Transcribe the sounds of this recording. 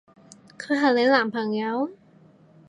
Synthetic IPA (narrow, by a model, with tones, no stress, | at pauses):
kʰɯ˧˥ɦa˨˧˩le˨˦˥laː˨˩˦mpʰa˨˩ŋja˧˦˥w